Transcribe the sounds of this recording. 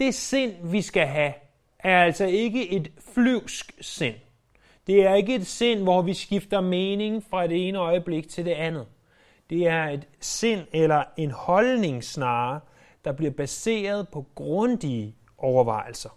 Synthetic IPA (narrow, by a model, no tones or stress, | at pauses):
d̥e̝se̝n̰ʋisɡ̥æɦæ | ʔæɐæl̰sɒ̽e̝ɡ̥əʔe̝d̥flyʊ̰sɡ̥se̝n̰ | d̥e̝æɐe̝ɡ̥əe̝d̥se̝n̰ʋɒʋisɡ̥ifd̥ɐmeːne̝ŋfʁɑ̈d̥e̝e̝ːnəɒ̽ɪəb̥le̝ɡ̥̚t͡sʰe̝ld̥e̝ænð̩ˠ | d̥e̝æɐe̝d̥sen̰elɐe̝nhɒ̽lne̝ŋsnɑ̈ː | d̥ɑ̈b̥liɐb̥æse̝̰ːɐð̞ˠpʰɒ̽ɡ̥ʁɔ̽nd̥iə | ʔɒʊɐʋɑ̈ɪl̩sɐ